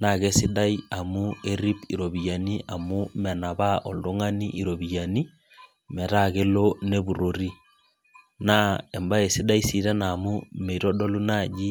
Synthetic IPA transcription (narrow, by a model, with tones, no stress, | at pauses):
na˨ɣe˦si˦da˦ja˨mu˦e˦ɾi˦pḭ˨ɾo˨βi˨ja˨ni˦a˨mu˦mɛ˨na˨βa˦ʔɔ˨ldo˦ŋa˦nḭ˦ʔi˨ɾo˨βi˨ja˨ni˦ | mɛ˨ɾa˦˨ɣe˦lo˦ne˦bu˨ɾo˨ɾi˦ | na˦e˨mba˦e˨si˦da˦i˦si˦ɾɛ˦na˨mu˦me˨ɾɔ˦do˦lu˦na˦˨d͡ʒi˦